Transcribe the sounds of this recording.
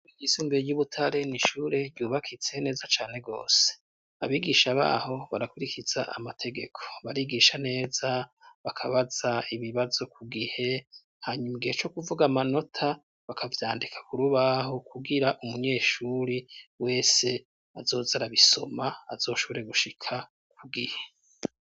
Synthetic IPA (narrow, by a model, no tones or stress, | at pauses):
ɡisuːmbeɾejuβutʰaɾe̞niʃuɾe̞ɾjuːβakʰit͡sene̞ːzat͡ʃaːne̞ɡo̞̰ːse̥ | a̰βiːɡiʃaβa̰ho̞βaɾakuɾikʰiz̥a̰ʔa̰matʰe̞ɡe̞kʰo̞̥βaɾiːɡiʃane̞ːzaβakʰaβaz̥aiβiβazo̞kʰuɡihe̞ | haɲumiɡihet͡ʃo̞kuvuɡamano̞tʰa | βakʰavjaːndikʰḁkuɾuβaɦo̞kuɡiɾaʔumuɲe̞ːʃuɾiwe̞ːse̞ | azo̞ːzaɾaβiso̰maːzo̞ːʃoβoɾe̞ɡuʃikʰa | kʰuɡihe̥